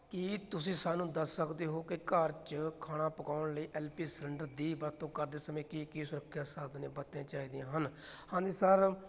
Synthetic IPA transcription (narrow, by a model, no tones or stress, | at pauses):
kɪt̪ʊsĩːsaːnũːd̪əsːəkd̪eːɦoːkɪkəɾt͡ʃkʰaːɽ̃aːpəkaːʊɳləiːʔɛːlpiːsɛɳɖəɾd̪iːbəɾt̪õːkəɾd̪eːsəmẽːkikiːsʊɾəkʰːjaːsaːd̪nẽːbət̪ãːt͡ʃaːiːd̪jãːɦənhãːd̪iːsəɾ